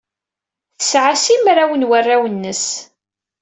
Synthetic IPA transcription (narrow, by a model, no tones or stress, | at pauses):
θəsʕasimɾawənwərːawənːəs